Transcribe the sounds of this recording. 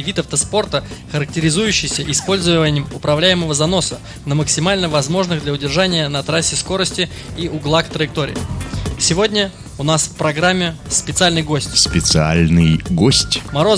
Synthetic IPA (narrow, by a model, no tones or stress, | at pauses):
vʲit̪ɐft̪əspo̞rt̪əxəɾək̚tʲɪɾʲɪzujʉɕːɪjsʲəʔɪspo̞lʲzəvənʲɪjɪmʊpɾɐvlʲæjɪməvəzɐno̞sə | nəməksʲɪmalʲnəvɐzmo̞ʐnɨɣd̪lʲɐʊdʲɪrʐanʲɪjənɐt̪ɾasʲːɪsko̞ɾəsʲtʲɪ | iʔʊɡlˠakt̪ɾəjɪk̚t̪o̞ɾʲɪ̰sʲɪvo̞dʲnʲə | ʊnasfpɾɐɡɾamʲːɪ | spʲɪt̪sɨalʲnɨjɡo̞sʲtʲspʲɪt̪sɨa̰lʲnɨjɡosʲtʲmɐɾo̞